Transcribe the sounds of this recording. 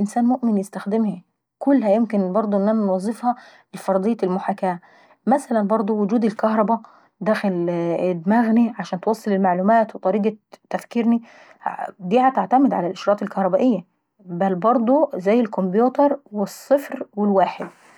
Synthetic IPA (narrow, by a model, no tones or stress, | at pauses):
ʔɪnsæːnmoʔmɪnjɪst̪æxd̪ɪmhæ | kʊlːhæjemkɪnbɑɾˤd̪ˤoʔenːʔænænwɑzˤːɨfhɑ | ɪlfɑɾˤd̪ˤejːælmʊħakæː | mæsælænbɑɾˤd̪ˤowʊd͡ʒuːd̪elkɑhɾˤɑbæ | d̪æːxɪled̪mæːɣniʕaʃæːnt̪wɑsˤːelelmaʕluːmæːt̪wet̪ˤɑɾiːɡɑt̪ːæfkiɾni | d̪iːʕat̪aʕt̪æmɪd̪ʕalælʔɪʃɾˤɑːt̪ˤelkɑhɾˤɑbæːʔejːæ | bælbɑɾˤd̪ˤozæjːelkombjuːt̪ɑɾˤwesˤːɨfɾwɪlwaːħed̪